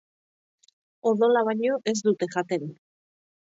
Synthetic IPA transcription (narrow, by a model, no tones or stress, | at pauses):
oðo̞laβaɲo̞ʔe̞z̬d̪ut̪e̞xat̪en